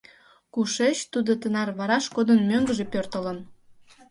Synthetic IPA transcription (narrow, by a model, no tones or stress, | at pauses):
kuʃet͡ɕt̪ud̪ot̪ənɑrβɑɾɑʃkod̪ənmøŋɡəʒepørt̪ələn